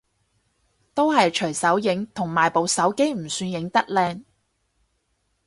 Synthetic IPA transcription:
t̪o˥wɦɐ˨jt͡ʃʰɵ˨˩ɥsɐ˨˥wjɪ˨˥ŋt̪ʰʊ˨˩ŋmaː˨˩jpo˨˧wsɐ˨˥wke˥jm̩˨˩syː˧njɪ˨˥ŋt̪ɐ˥k̚lɛː˧ŋ

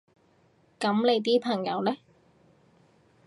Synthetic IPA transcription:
kɐ˨˥mle˨˧jt̪̬iː˥pʰɐ˨˩ŋjɐ˨˧wlɛ˥

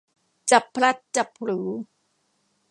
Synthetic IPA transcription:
t͡ɕa˨˩pʰːɾa˦˥t̪̚t͡ɕa˨˩p̚ʰɾɯː˩˦

